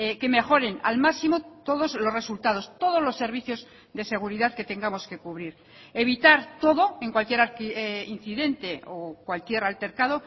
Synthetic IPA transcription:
eke̞me̞xo̞ɾe̞na̰lmaksimo̞t̪o̞ðo̞zlo̞sre̞sult̪aðo̞st̪o̞ð̞o̞zlo̞sːe̞ɾβiθjo̞z | ðe̞se̞ɣ̞uɾiðaðke̞t̪e̞ŋɡamo̞ske̞kuβɾiɾ | e̞β̞it̪aɾt̪o̞ðo̞e̞ŋkwalkje̞ɾaɾkein̟θiðe̞nt̪e̞okwalkje̞ɾalt̪e̞ɾkað̞o̞

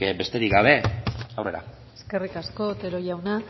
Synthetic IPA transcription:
be̞st̪e̞ɾikɡaβ̞e̞awre̞̰ɾa̰ | eske̞rikasko̞t̪eɾojawna

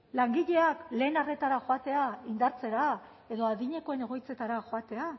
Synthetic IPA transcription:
laŋɡiʎe̞akle̞ːnare̞t̪aɾaxoat̪e̞aind̪aɾt͡se̞ɾa | e̞ðo̞aðiɲe̞ko̞ene̞ɣ̞o̞jt͡se̞t̪aɾaxoat̪e̞a

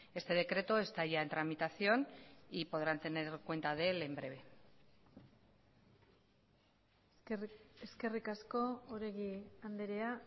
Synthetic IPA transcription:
e̞st̪e̞ð̞e̞kɾe̞t̪oe̞st̪aʝaent̪ɾamit̪aθio̞nipo̞ð̞ɾant̪e̞ne̞ɾkwe̞nt̪að̞e̞le̞mbɾe̞β̞e̞ | eske̞rikasko̞oɾe̞ɣiand̪eɾe̞a

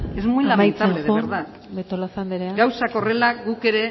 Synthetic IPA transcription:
ezmuilaajt͡s̪aβalleoeɾða | b̪et̪olasand̪eɾeaɡawsako̞re̞laɡuke̞ɾe̞

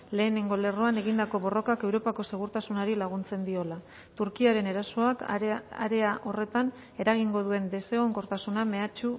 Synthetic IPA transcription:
le̞ːne̞ŋɡo̞le̞roane̞ɣind̪ako̞βo̞ro̞kake̞wɾo̞pako̞se̞ɣ̞uɾt̪asunaɾilaɣ̞unt͡se̞nd̪io̞la | t̪uɾkiaɾe̞ne̞ɾaso̞aka̰ɾe̞aʔo̞re̞t̪an | e̞ɾaɣ̞iŋɡo̞ð̞ue̞nd̪e̞se̞ɣo̞ŋko̞ɾt̪asuname̞at͡ʃu

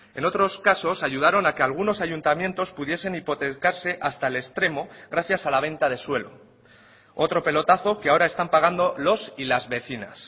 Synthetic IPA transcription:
e̞no̞t̪ɾo̞skaso̞saʝuð̞aɾo̞nake̞alɣ̞uno̞saʝunt̪amje̞nt̪o̞spuð̞je̞se̞nipo̞t̪e̞kaɾse̞ʔast̪aele̞st̪ɾe̞mo̞ɣɾaθjasalaβ̞ẽ̞nt̪að̞e̞swe̞lo̞̰ | o̞t̪ɾo̞pe̞lo̞t̪aθo̞keao̞ɾae̞st̪ampaɣ̞and̪o̞lo̞silazβe̞θina̰s

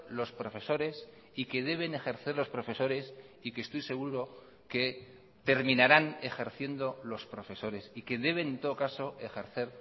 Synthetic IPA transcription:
lo̞spɾo̞fe̞so̞ɾe̞s | ike̞ð̞e̞β̞e̞ne̞xe̞ɾθe̞ɾlo̞spɾo̞fe̞so̞ɾe̞sikest̪ojse̞ɣ̞uɾo̞ | ke̞ | t̪e̞ɾmĩnaɾane̞xe̞ɾθje̞nd̪o̞lo̞spɾo̞fe̞so̞ɾe̞sike̞ðe̞βe̞nent̪o̞ðo̞kaso̞ʔe̞xe̞ɾθe̞ɾ

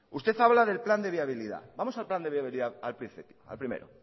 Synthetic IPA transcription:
ust̪e̞θaβlaðe̞lpland̪e̞βiaβ̞iliða̰bamo̞salpland̪eβjaβiliðaalpɾin̟θipia̰lpɾimḛɾo

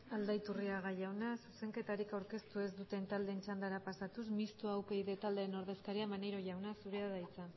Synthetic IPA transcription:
ald̪ajt̪uriaɣaʝawnasuse̞ŋke̞t̪aɾikawɾke̞st̪ue̞zd̪ut̪e̞nt̪ald̪e̞nt͡ʃand̪aɾapasat̪usmist̪uawpe̞jðe̞t̪ald̪e̞ːno̞ɾðe̞skaɾiamaneɾo̞ʝawnasuɾeaðajt͡sa

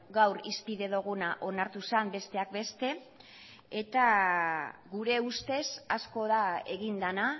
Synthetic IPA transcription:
ɡawɾispiðe̞ðuɣ̞unaʔo̞naɾt̪usambe̞st̪e̞ak̚be̞st̪e̞ | et̪a | ɣuɾe̞ust̪e̞sasko̞ðae̞ɣind̪ana

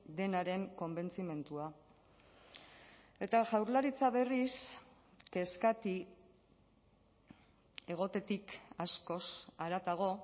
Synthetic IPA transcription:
d̪e̞naɾe̞ŋko̞mbe̞nt͡sime̞nt̪ua | e̞t̪aʝawɾlaɾit͡saβe̞ris | ke̞skat̪i | e̞ɣ̞o̞t̪e̞t̪ikasko̞saɾat̪aɣ̞o̞

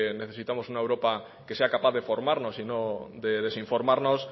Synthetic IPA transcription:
neθesit̪amosuŋaewɾopa | keseakapaððefoɾmaɾnosinod̪eðesiɱfoɾmaɾnos

